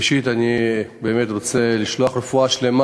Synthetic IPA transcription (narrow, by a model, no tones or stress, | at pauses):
ʃit̪anibe̞ːmet̪ʁot͡se̞liʃloaχʁefuaʃle̞ma